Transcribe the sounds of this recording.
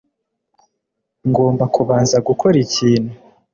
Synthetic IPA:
ŋɡo̞ːmbakuβaːnzaɡukʰo̞ɾiciːnhu

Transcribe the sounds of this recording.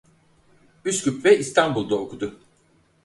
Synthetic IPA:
yskʰypvɛʔist̪ʰanbulˠd̪aokud̪ʊ

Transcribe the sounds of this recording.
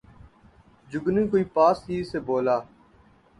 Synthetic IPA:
d͡ʒʊɡnĩːkoːiːpaːsiːseːboːlaː

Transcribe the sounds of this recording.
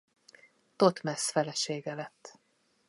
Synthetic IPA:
t̪ot̪mɛsfɛlɛʃeːɡɛlɛt̪ː

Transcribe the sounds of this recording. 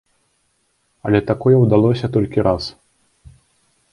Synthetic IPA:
ɐlʲɛt̪akɔjɛwd̪alˠɔsʲɐt̪ɔlʲkʲiɾas

